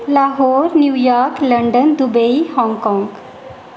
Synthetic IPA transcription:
laɦoɾnjujɔɾkləɳɖənd̪ubəihɔ̃ŋɡkɔ̃ŋɡ

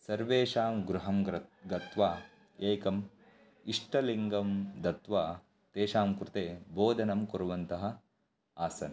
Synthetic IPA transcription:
sɐɾʋeːʂaːmɡɾuɦɐmɡɐt̪ʋaː | eːkɐm | iʂʈʰɐliŋɡɐmd̪ɐt̪ʋaː | t̪eːʃaːmkɾɪt̪eːboːd̪ʱɐnɐmkuɾʋɐnt̪ɐɦɐ | aːsɐnɐ

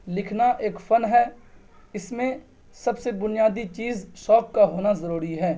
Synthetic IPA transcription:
lɪkʰnaʔeːkfɐnɦɛː | ɪsmẽ | sɐbsebʊnijaːd̪it͡ʃiːzʃɔːkːaɦoːnazɐɾuːɾiɦɛː

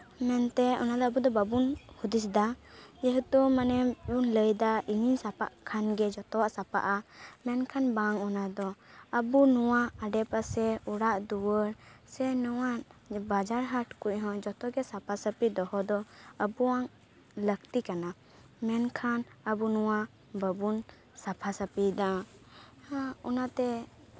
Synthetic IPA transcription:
mɛnt̪ɛɔ̰nad̪ɔəbud̪ɔbabunhud̪isd̪ad͡ʒɛɦut̪umanɛbunləjd̪aʔiɲinsapa̰ʔkʰanɡɛd͡ʒɔt̪ɔwaʔsapa̰ʔamɛnkʰanbaŋɔnad̪ɔəbunuwaaɖɛpasɛuɽaʔd̪uwəɾsɛnuwaʔbad͡ʒaɾɦaʈkuc̚ˀɦɔ̃d͡ʒɔt̪ɔɡɛsapʰasəpid̪ɔhɔd̪ɔəbuwaŋ | ləkt̪ikana | mɛnkʰanəbunuwa | bəbun | sapʰasəpid̪a | ɔnat̪ɛ

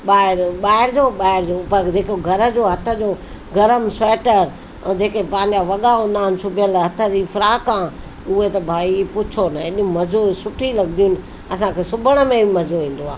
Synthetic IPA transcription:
ɓaːɪɾɓaːɪɾd͡ʑoɓaːɦɪɾd͡ʑoːpɐɾd͡ʑeːkoɡʱɐɾə̆d͡ʑoːɦɐt̪ʰə̆d͡ʑoː | ɡɐɾəmsɛːʈəɾ | d͡ʑeːkepãɦɪ̃ɲ̆d͡ʑaʋɐɠaɦũːn̆d̪aːɦɪnɪ̆sʊbʱɪjəlɦɐt̪ʰə̆d͡ʑifʰɾaːkãː | ʊɦet̪ɐbʱaːipʊt͡ɕʰonaɪɗmɐzosʊʈʰilɐɡɪd̪ijʊnɪ̆ | ɐsãkʰeːsʊbʱəɽ̃ə̆mẽbʱimɐzoʋĩːn̆d̪oaː

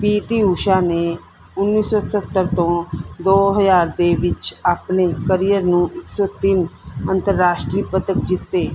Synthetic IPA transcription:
piːʈiːuːʃaːneː | ʊnːiːsɔːtət̪ːəɾt̪õːd̪oːɦəzaːɾd̪eːʋɪt͡ʃaːpneːkəɾijəɾnũːʔɪksɔːt̪ɪnənt̪əɾːaːʃʈɾiːpət̪əkd͡ʒɪt̪ːeː

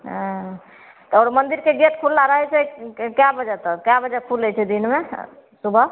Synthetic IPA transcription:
ɦ | t̪ɔɾmənd̪iɾkeɡeʈ̪kʰulːaɾəɦɛt͡ʃɛkjabəd͡ʒɛt̪ɔkjabəd͡ʒɛkʰulɛjt͡ʃʰɛd̪inme | subʱə

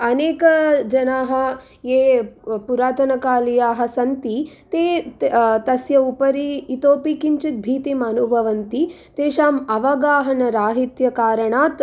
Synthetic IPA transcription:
ɐneːkɐd͡ʒɐnaːɦɐ̆ | eːpuɾaːt̪ɐnɐkaːlijaːɦɐ̆sɐnt̪it̪eː | t̪ɐsjɐupɐɾiːt̪oːpikiɲt͡ʃit̪̚bʱiːt̪imɐnubʱɐʋɐnt̪i | t̪eːʃaːmɐʋɐɡaːɦɐnɐɾaːɦit̪jɐkaːɾɐɳaːt̪

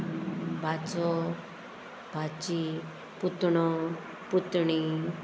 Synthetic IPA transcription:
bʱat͡sɔ | bʱat͡ɕi | put̪ɳɔ | put̪ɳi

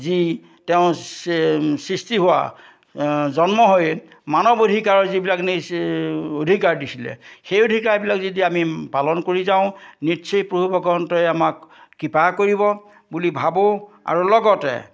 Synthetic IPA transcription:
zi | tɛʊ̃ | sɹistiɦʊwa̰ | zɔnmɔɦoj | manɔbodʱikaɹɔzibilakne | odʱikaɹdisilɛ̰xejodʱikaɹbilakzidiamipalɔnkoɹizaʊ̃nitsʰipɹobʱubʱɔɡɔntɔjamakːipakoɹibɔ | bulibʱabɔa̰ɹulɔɡɔtɛ̰

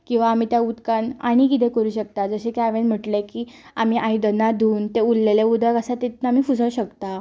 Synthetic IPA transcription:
kĩw̃ʋaːm̤iːt̪jaut̪kãna̰ɽ̃ikit̪ɛ̃kəɾuːɕək̚t̪ad͡zəɕekaʋẽnm̤əʈlekiːam̤iːʔaid̪ənad̪ʱuːnt̪eulːeleud̪əkəsat̪et̪nam̤iːfud͡zəɕəkt̪a

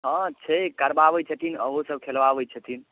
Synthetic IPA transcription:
ɦãt͡ʃʰəkəɾbabət͡ʃʰət̪ʰinəɦusəb̚kʰelʋabəjt͡ʃʰət̪ʰin

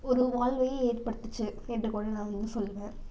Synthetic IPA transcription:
ɔɾɯʋaːlʋɐjeːɾpɐɽɯt̪ːɯt͡ʃːɯɛndrɯkoːɽɐnãːɪŋɡɯsɔlːɯʋẽː

